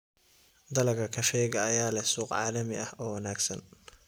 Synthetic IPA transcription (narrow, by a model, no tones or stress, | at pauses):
d̪ɐlɐɡɐkʰɐʃɛːɡɐːjaːlɛsuːqʕɑ̰ːlɐmɪʔɐhɔːwɐnaːɡsɐn